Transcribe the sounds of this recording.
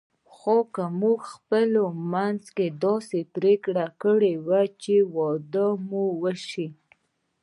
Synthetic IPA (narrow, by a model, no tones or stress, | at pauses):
xokamuɡxpəlomanzked̪ɑsepɾekɽakəɽewat͡ʃewɑd̪əmuwəʃi